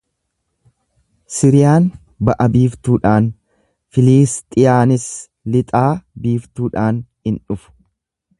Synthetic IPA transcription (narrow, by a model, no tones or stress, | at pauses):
sɪɾɪjaːn | bɐʔɐbiːft̪uːᶑaːn | fɪliːst̪ʼɪjaːnɪs | lɪt̪ʼaːbiːft̪uːᶑaːnhɪnᶑʊfʊ̥